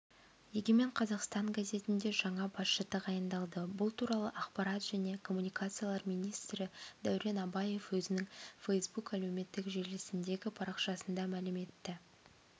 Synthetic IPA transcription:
jeɡʲeme̞ɴqʰɑzɑqst̪ɑŋɡaze̞t̪ɪnd̪e̞ʒɑɴɑbɑsʃət̪əqɑjənd̪ɑlˠd̪əbʊlˠt̪ʰuɾɑlˠəʔɑqpɑɾɑt̪ʒ̥æne̞kʰo̞mːunijkat̪sɨjalˠɑɾmijnijst̪ɾɪd̪æwɾe̞nɑbɑje̞fwɵzɪnɪŋfejsbukælewme̞t̪ːɪkʒe̞ɾlɪsɪnd̪e̞ɡʲɪpʰɑɾɑqʃɑsənd̪ɑmælɪme̞t̪ːɪ

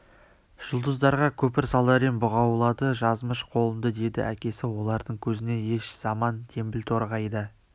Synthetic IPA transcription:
ʒ̥ʊlˠd̪əzd̪ɑɾʁɑkʲʰɵpɪɾsɑlˠd̪ɑɾenbʊʁɑwlˠɑd̪əʒɑzməʃqʰo̞lˠənd̪əd̪e̞d̪ɪ̰ʔækʲe̞sɪwo̞lˠɑɾd̪əɴkʲʰɵzɪne̞je̞ʃz̥ɑmɑnt̪ʰe̞mbɪlt̪ʰo̞ɾʁɑjd̪ə

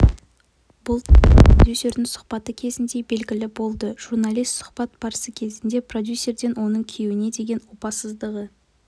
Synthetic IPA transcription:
bʊlˠd̪ʲjusʲe̞ɾd̪ɪŋsʊ̥χpɑt̪əkʲʰe̞zɪnd̪e̞be̞lɡʲɪlɪbo̞lˠd̪əʒ̥uɾnalʲˠijst̪sʊ̥χbɑt̪b̥ɑɾəsəkʲʰe̞zɪnd̪e̞pro̞d̪ʲjusʲːe̞rd̪e̞nwo̞nəɴkʲʰewɪne̞d̪e̞ɡʲe̞nwopɑsəzd̪əʁə

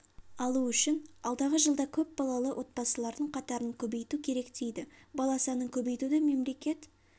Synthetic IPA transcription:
ɑlˠuʏʃɪnɑlˠd̪ɑʁəʒəlˠd̪ɑkʲʰɵp̚bɑlˠɑlˠəwʔo̞t̪̚bɑsəlˠɑɾd̪əɴqʰɑt̪ɑɾəɴkʲʰɵbe̞jt̪ukʲʰe̞ɾe̞kt̪ejd̪ɪbɑlˠɑsɑnəkʲʰɵbe̞jt̪ud̪ɪme̞mle̞kʲe̞t̪

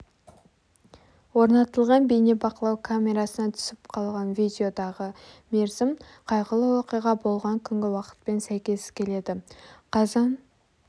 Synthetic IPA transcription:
wo̞ɾnɑt̪əlˠʁɑnbejnebɑqəlˠɑwkʰamʲe̞ɾasənɑt̪ʰʏ̥sɪpqʰɑlˠʁɑnvijd̪ʲeo̞d̪ɑʁəme̞ɾzɪm | qʰɑjʁəlˠəwoqəjʁɑbolˠʁɑŋkʲʰʏŋɡʲɪwɑqə̥t̪̚pe̞nsæjkʲe̞skʲʰe̞le̞d̪ɪqʰɑzɑn

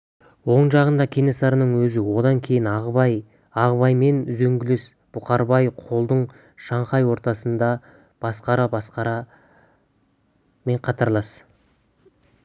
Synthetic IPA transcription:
wo̞ɴʒɑʁənd̪ɑkʲʰe̞ne̞sɑɾənəɴwɵzɪwo̞d̪ɑŋkʲʰe̞jɪnɑʁɑj | ɑʁbɑjme̞nʏzeŋɡʲɪles | b̥ʊqɑɾbɑjqʰo̞lˠd̪əɴ | ʃɑɴχɑjwo̞ɾt̪ɑsənd̪ɑ | b̥ɑsqɑɾɑbɑsqɑɾɑ | me̞ɴqʰɑt̪ɑɾlˠɑs

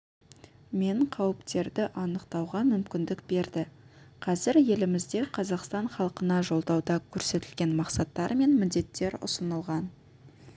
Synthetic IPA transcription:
me̞ɴqʰɑwəpt̪e̞ɾd̪ɪʔɑnəqt̪ɑwʁɑmʏmkʲɪnd̪ɪkbe̞ɾd̪ɪqʰɑzɪɾje̞lɪmɪzd̪e̞qʰɑzɑqst̪ɑɴχɑlˠəqənɑʒo̞lˠd̪ɑwd̪ɑkʲʰɵɾse̞t̪ɪlɡʲe̞nmɑqsɑt̪ːɑɾme̞nmɪd̪e̞t̪ːe̞ɾʊ̰sənəlˠʁɑn

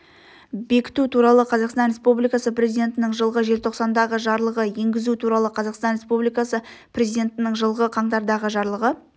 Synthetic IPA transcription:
be̞kʲɪ̥t̪ut̪ʰuɾɑlˠəqʰɑzɑqst̪ɑnɾʲe̞spublijkɑsəprʲe̞zijd̪ʲe̞nt̪ɪnɪŋʒəlˠʁəʒe̞lt̪ʰo̞qsɑnd̪ɑʁəʒɑɾlˠəʁəje̞ŋɡʲɪzut̪ʰuɾɑlˠəqʰɑzɑqst̪ɑnɾe̞spublijkɑsə | prʲe̞zijd̪ʲe̞nt̪ɪnɪŋʒəlˠʁəqʰɑɴt̪ɑɾd̪ɑʁəʒɑɾlˠəʁə

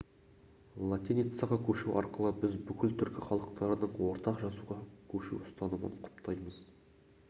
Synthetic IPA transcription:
lˠat̪ʲinit̪sɑʁɑkʲʰɵʃuwʔɑ̰ɾqəlˠəbɪzbʏkʲɪlt̪ʰʏɾkʲɪχɑlˠəq̚t̪ɑɾənəɴwo̞ɾt̪ɑqʒɑzuʁɑkʲʰɵʃṵwʊ̥st̪ɑnumə̰ɴqʰʊ̥pt̪ʰɑjməz̥

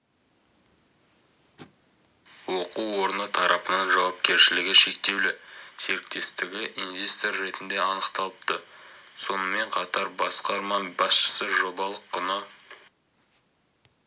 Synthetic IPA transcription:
wo̞quwwo̞ɾənət̪ʰɑɾɑpənɑnʒɑwɑp̚kʲe̞ɾʃɪlɪɡʲɪʃe̞k̚t̪e̞wlɪse̞ɾɪk̚t̪e̞st̪ɪɡʲɪʔinvʲe̞st̪orːe̞t̪ɪnd̪e̞ɑnəqt̪ɑlˠəp̚t̪ə | so̞nəme̞ɴqʰɑt̪ɑɾbɑsqɑɾmɑbɑsʃə̥səʒo̞bɑlˠəqːənə

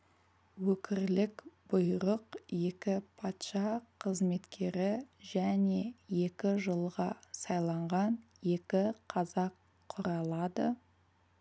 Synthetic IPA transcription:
wɵkʲʰɪɾlɪkb̥ʊjɾəqje̞kʲɪpʰɑt̪ʃɑqʰəzme̞t̪kʲʰe̞ɾɪʒæne̞je̞kʲɪʒəlˠʁɑsɑjlˠɑɴʁɑn | je̞kʲɪqʰɑzɑqʰː | ʊɾɑlˠɑd̪ə

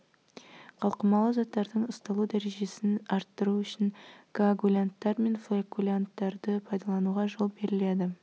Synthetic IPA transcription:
qʰɑlˠqəmɑlˠəzɑt̪ːɑɾd̪əɴəst̪ɑlˠud̪æɾe̞ʒe̞sɪnɑɾt̪ːəɾuʏʃɪnɡ̥aaɡulʲant̪ːɑɾme̞nflekulʲant̪ːɑɾd̪əpʰɑjd̪ɑlˠɑnuʁɑʒo̞lˠbe̞ɾɪle̞d̪ɪ

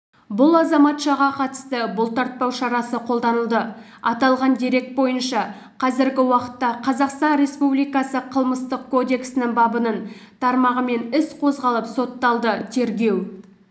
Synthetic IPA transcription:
bʊlˠɑzɑmɑt̪ʃɑʁɑqʰɑt̪ə̥st̪əbʊlˠt̪ɑɾt̪̚pɑwʃɑɾɑsəqʰo̞lˠd̪ɑnəlˠd̪ə | ɑt̪ɑlˠʁɑnd̪eɾe̞k̚t̪̚bo̞jənʃɑ | qʰɑzɪɾɡʲɪwɑqə̥t̪ːɑqʰɑzɑqst̪ɑnɾe̞spublijkɑsəqʰəlˠməst̪əqkʰo̞d̪e̞ksɪnɪŋbɑbənənt̪ʰɑɾmɑʁəme̞nɪsqʰo̞zʁɑlˠəpso̞t̪ːɑlˠd̪ət̪ʰe̞ɾɡʲe̞w

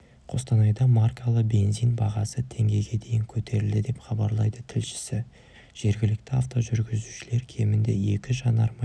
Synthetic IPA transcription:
qʰo̞st̪ɑnɑjd̪ɑmarkʰalˠəqbe̞nzijnbɑʁɑsət̪ʰe̞ŋɡʲe̞jɡʲe̞d̪e̞jɪŋkʲʰɵt̪ʰe̞ɾɪld̪ɪd̪e̞pχɑbɑɾlˠɑjd̪ət̪ʰɪlʃɪ̥sɪ | ʒ̥e̞ɾɡʲɪlɪkt̪ɪaft̪o̞ʒʏɾɡʲɪzuʃɪle̞ɾkʲʰe̞mɪnd̪e̞̰e̞kʲɪʒɑnɑɾmɑ

